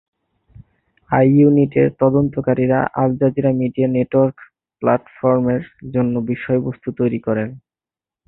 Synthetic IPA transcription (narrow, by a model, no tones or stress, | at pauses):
ajuniʈeɾt̪ɔd̪ont̪okaɾiɾa̰ʔald͡ʑad͡ʑiɾamiɖianeʈoaɾk | plaʈfɔɾmeɾd͡ʑonːobiʃɔebost̪ut̪ojɾikɔɾen